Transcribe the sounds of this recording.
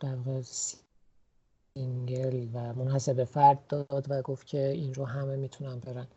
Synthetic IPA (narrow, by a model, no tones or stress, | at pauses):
d̪̥æɾvɒːɣes | iŋɡelvæmonhæsebefæɾd̪̚ːɒd̪væɡoft̪̚cʰeinɾoɦæmemiːt̪ʰunænbeɾæn